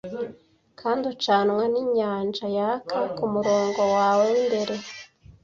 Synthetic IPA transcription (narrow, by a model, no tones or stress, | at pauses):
kʰaːndut͡ʃaːnweniɲaːnd͡ʒajakʰakumuɾo̞ːŋɡo̞waːwemde̞ɾe̞